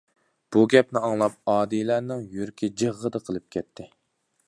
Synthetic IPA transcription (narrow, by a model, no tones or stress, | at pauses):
b̥uɡʲɛpnɪɑŋlˠɑp̚ɑːd̪ilæɾnɪŋjøɾkʲid͡ʒəʁːəd̪əqʰəlˠɨp̚kʲʰɛt̪̚ʰːɪ